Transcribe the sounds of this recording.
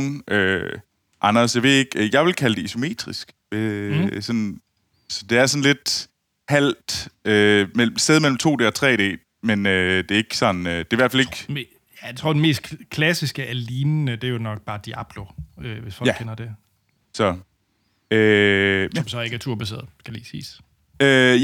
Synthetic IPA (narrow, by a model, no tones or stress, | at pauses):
nʔø | ʔɑ̈nɐsjɑʋe̝e̝ɡ̥jɑ̈ɪʋe̝lkʰæləd̥e̝iso̝me̝̰ːd̥ʁisɡ̥ | ʋesɒ̽n | sɒ̽d̥e̝æɐsɒ̽nle̝d̥ | hæl̰d̥ømel̰m̩seð̞ˠmel̰m̩t͡sʰo̝̰ːd̥e̝ːɒt͡sʰʁɛ̰ːd̥e̝̰ː | menød̥e̝ɐe̝ɡ̥sɒ̽n̩ød̥e̝ɐʋæɐ̰fæleɡ̥ | t͡sʰʁoɐ̰d̥eme̝̰ːsd̥kʰlæsisɡ̥əʔæliːnənəd̥eɐjonɒ̽ɡ̥̚b̥ɑ̈ːd̥iæb̥lo̝øʋe̝sfɒ̽lɡkʰfenɐd̥e̝ | sɒ̽ | øsɒ̽msɒ̽ɐeɡ̥æt͡sʰuɐ̰b̥æse̝̰ɐð̩ˠsɡ̥ælḭːsḭːs | ø